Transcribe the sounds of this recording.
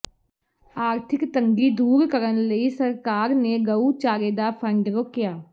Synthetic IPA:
aːɾt̪ʰɪkt̪ə̃ŋɡid̪uːɾkəɾənləisəɾkaːɾneɡəut͡ʃaːɾeːd̪apʰə̃ɳɖɾokijaː

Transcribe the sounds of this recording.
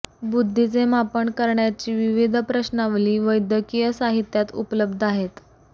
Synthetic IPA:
bud̪ʱːit͡semapəɳkəɾɳjat͡ɕiːʋiʋid̪ʱpɾəɕnaʋliːʋəjd̪ʱjəkijəsaɦit̪jat̪ṵpləbd̪ʱaɦet̪

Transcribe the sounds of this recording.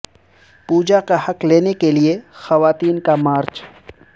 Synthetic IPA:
puːd͡ʒakahɐkleːnekeliexɐʋaːt̪iːnkamaːɾt͡ʃ

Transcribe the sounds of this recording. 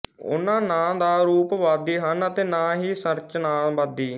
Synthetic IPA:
ʊ̰nːãːnãːd̪aːɾuːpʋaːd̪iːɦənət̪eːnãːɦiːsəɾt͡ʃnaːʋaːd̪iː

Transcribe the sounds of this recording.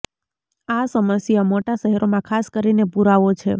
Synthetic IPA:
asəməsjamoʈaʃəɦɛɾomãkʰaskəɾinepuɾaʋot͡ʃʰe

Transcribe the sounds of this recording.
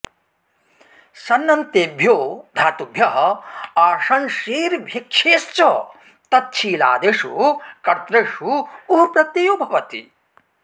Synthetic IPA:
sɐnːɐnt̪eːbʱjoːd̪ʱaːt̪ubʱjɐɦɐ̆aːʂɐnʃiːɾbʱjɐkʃʰeːst͡ʃɐ | t̪ɐt̪̚t͡ʃʰiːla̰ːd̪eʂṵkɐɾt̪ɾeːʂuːɦpɾɐt̪ejoːbʱɐʋɐt̪ḭ

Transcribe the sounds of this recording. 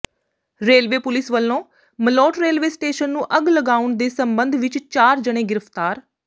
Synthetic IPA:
ɾeːlʋeːpʊlɪsʋəlːõː | məlɔːʈɾeːlʋeːsʈeːʃənːũːʔəɡləɡaːʊɳd̪eːsəmbənd̪ʱʋɪt͡ʃt͡ʃaːɾd͡ʒəɽ̃ẽːɡɪɾəfʰt̪aːɾ

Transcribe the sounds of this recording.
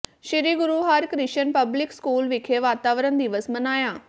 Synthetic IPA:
ʃɪɾiːɡʊɾuːɦaɾkɾɪʃənpəblɪkskuːlʋɪkʰeʋaːt̪aːʋɾənd̪iːʋəsmənaːjãː

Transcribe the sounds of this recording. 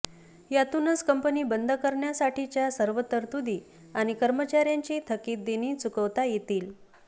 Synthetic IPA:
jat̪unəskəmpəniːbənd̪ʱəkəɾɳjasaʈʰit͡ɕjasəɾʋət̪əɾt̪ud̪iː | aɽ̃ikəɾmət͡ɕaɾjaɲt͡ɕiːt̪ʰəkiːt̪̚d̪eniːt͡sukəʋt̪ajet̪iːl

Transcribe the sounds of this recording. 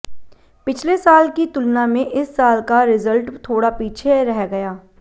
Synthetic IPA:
pɪt͡ʃʰlesaːlkit̪ʊlnamẽʔɪsːaːlkaɾɪzəlʈt̪ʰoːɽapiːt͡ʃʰeɾɛɦɡɐjaː

